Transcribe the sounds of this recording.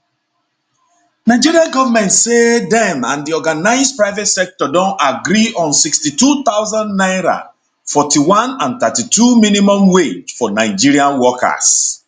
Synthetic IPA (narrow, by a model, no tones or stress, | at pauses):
naɪd͡ʒiɹiãnɡɔvamɛ̃ntsedɛ̃mãndiɔɡanaɪsdpɹaɪvɛtsɛk̚tɔdɔ̃naɡɾiʔɔ̃nsikstitut̪awzãndnaɪɾã̰ | fɔtiwãnãnt̪atituminimɔ̃mwed͡ʒfɔnaɪd͡ʒiɹiãnwɔka̰s